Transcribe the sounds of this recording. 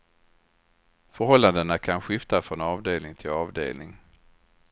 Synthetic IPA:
fœɾhɔlːand̪ənakʰanɧɪft̪afɾɔnɑːvd̪eːlnɪŋt̪ʰɪlɑːvd̪ḛːlnɪŋ

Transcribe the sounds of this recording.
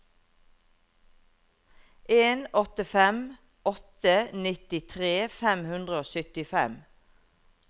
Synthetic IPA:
ʔeːnɔt̪əfɛm | ɔt̪ənɪt̪ɪt̪ʰʁeːfɛmhʉnd̪ʁəoːsʏt̪ɪfɛm

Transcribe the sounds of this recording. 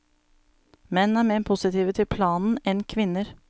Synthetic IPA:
mɛnːn̩æːɾmeːpʰʊsɪt̪ʰiːʋət̪ʰɪlpʰlɑːnn̩ɛnkʰʋɪnːəɾ

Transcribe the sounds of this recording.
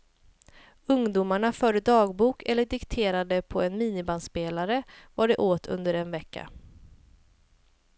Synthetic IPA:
ɵŋd̪uːmaɳafœɖəd̪ɑːɡbuːkʰɛlːəɖɪkt̪ʰeːɾad̪əpʰɔɛnmiːnɪbanspeːlaɾəvaɖɛʔoːt̪ʰɵ̰nd̪əɾɛnvɛkːa̰

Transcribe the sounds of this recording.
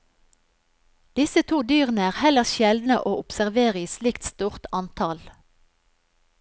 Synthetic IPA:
d̪̥ɪsət̪ʰuːd̪yːʁənəæːʁhɛləʁʃɛld̪nə̰ʔoːʔʊpsæʁʋeːʁəiːslɪkt̪st̪uːʁt̪ɑnt̪ʰɑl

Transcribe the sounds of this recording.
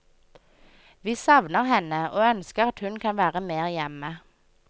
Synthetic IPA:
ʋiːsɑʋnəʁhɛnəʔoːœnskəʁɑt̪hʉnkʰɑnʋæːʁəmeːʁjɛmə

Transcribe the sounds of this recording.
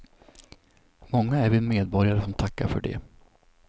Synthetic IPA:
mɔŋːaæɾvɪmeːd̪bɔɾjaɾəsɔmt̪ʰakːaɾfœ̰ɖɛ̰

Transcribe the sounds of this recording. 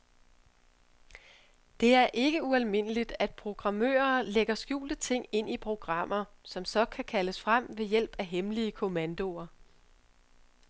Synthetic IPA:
d̥e̝æɐʔe̝ɡ̥əuælme̝n̰əlid̥æd̥̚pʰʁo̝ɡ̥ʁɑ̈mø̰ːɐleɡ̥ɐsɡ̥jṵːld̥ət͡sʰe̝ŋ̰e̝n̰ipʰʁo̝ɡ̥ʁɑ̈m̰ɐsɒ̽msɒ̽kʰækʰæləsfʁam̰ʋe̝jel̰b̥æɦemliəkʰo̝mænd̥o̝ɐ

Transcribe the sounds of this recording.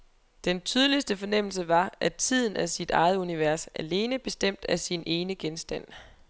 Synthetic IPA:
d̥ent͡sʰyːð̞ˠəlisd̥əfɒ̽nem̰l̩s̬əʋɑ̈ʔæt͡sʰið̞̰ˠn̩æsid̥ɑ̈ɪð̩ˠuniʋæɐsʔæle̝ːnəb̥e̝sd̥em̰d̥æsinʔe̝ːnəɡ̥ensd̥æn̰

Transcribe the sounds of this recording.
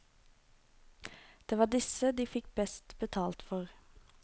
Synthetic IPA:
d̪̥eːʋɑːɖɪsəd̪iːfɪk̚bɛst̪bət̪ʰɑːlt̪fɔʁ

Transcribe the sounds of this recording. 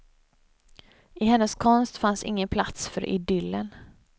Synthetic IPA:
ɪɦɛnːəskʰɔnst̪fansɪ̰ŋːənpʰlat̪sfœɾʔɪ̰d̪ʏlːən

